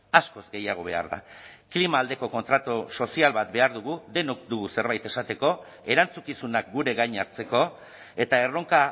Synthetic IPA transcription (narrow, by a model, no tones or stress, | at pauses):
asko̞zɡe̞jaɣ̞o̞β̞e̞a̰ɾða̰klimaːld̪e̞ko̞ko̞nt̪ɾat̪uso̞sialβat̪̚be̞aɾðuɣ̞uðe̞nokd̪uɣuse̞ɾβajt̪e̞sat̪e̞ko̞ | e̞ɾant͡sukisunakɡuɾe̞ɣajɲaɾt͡se̞ko̞ | e̞t̪ae̞ro̞ŋka